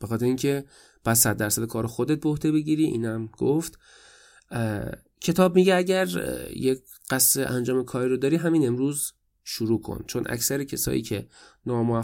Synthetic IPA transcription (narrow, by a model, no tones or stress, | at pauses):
b̥exɒːt̪ʰeɾeiːŋcʰe̞ | b̥æssæd̪̚ːæɾsæd̪ekʰɒːɾoxod̪et̪̚beohd̪e̞be̞ɟiːɾiːʔḭːnæmɡ̥oft̪ | cʰe̞t̪ʰɒːb̚miːɟeæɟæɾje | ɢ̥æseʔæ̰nd͡ʒɒːme̞kʰɒːɾiɾod̪ɒːɾiːɦæmiːne̞mɾuːz | ʃuɾuːkʰo̰nt͡ʃʰo̞nʔæ̰csæɾecʰesɒ̰ːjḭːcʰe̞nɒːmoæ